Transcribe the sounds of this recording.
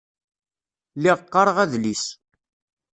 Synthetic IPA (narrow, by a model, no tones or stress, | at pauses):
liʁqːɑɾˤəʁæðlis